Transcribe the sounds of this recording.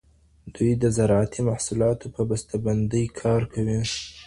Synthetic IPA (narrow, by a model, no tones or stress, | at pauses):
d̪̥ujd̪əzaɾʕat̪ʰimahsulɑt̪opəbast̪aband̪əjkʰɑɾkʰawi